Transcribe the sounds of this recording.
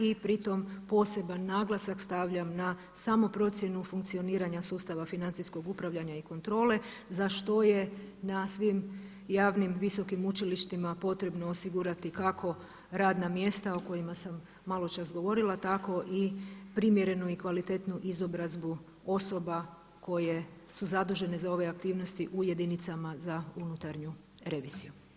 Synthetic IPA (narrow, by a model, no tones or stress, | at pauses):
ipɾit̪o̞mpo̞se̞banːaːɡlˠasakst̪aʋʎamna | samo̞pɾo̞t̪sje̞nufuŋk̚tsio̞niːɾaɲasuːst̪aʋafinant̪isko̞ɡupɾaʋʎaɲaiko̞nt̪ɾo̞ːle̞ | zaʃt̪o̞je̞nasʋim | jaːʋnimʋiso̞kimut͡ʃiliʃt̪imapo̞t̪ɾe̞bno̞ːsiɡuɾat̪ikakʰo̞ | ɾaːd̪namje̞st̪ao̞ko̞jimasamː | alˠo̞t͡ʃasɡo̞ʋo̞ɾilat̪ako̞ʔipɾimje̞ɾe̞nuikʋalit̪e̞t̪nuʔizo̞bɾazbu | o̞so̞ba | ko̞je̞ | suzad̪uʒe̞ne̞zao̞ʋe̞akt̪iːʋno̞st̪iʔuje̞d̪init̪samazaunut̪aɾɲu | ɾe̞ʋiziju